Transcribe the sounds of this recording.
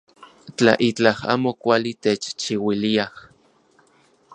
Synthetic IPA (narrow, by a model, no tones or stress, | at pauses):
t͡ɬa̰ʔit͡ɬaha̰ːmokʷalit̪et͡ʃt͡ʃiwiliah